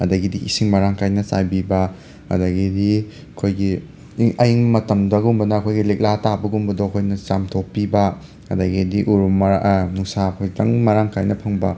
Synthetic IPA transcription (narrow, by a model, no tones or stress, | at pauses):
ɐdɐɡidiisiŋmɐɾaŋkajnɐsa̰jbibɐ | ɐ̰dɐɡidi | ɐkʰojɡi | ɐjiŋmɐtɐmdɐɡumbɐnɐɐkʰojɡilek̚latabɐɡumbɐdoɐkʰojnɐt͡ʃamtʰopːibɐ | ɐdɐɡidiʔuɾumːnuŋsakʰojtɐŋmɐɾaŋkʰajnɐpʰɐŋbɐ